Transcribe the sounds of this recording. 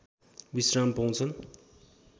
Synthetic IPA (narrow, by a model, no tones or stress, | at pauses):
bisrampaw̃t͡sʰʌn